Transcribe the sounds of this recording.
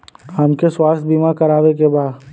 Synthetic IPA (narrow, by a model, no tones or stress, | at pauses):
hɐmkeswaːst̪̚biːmakɐɾaːʋek̬ebaːd̪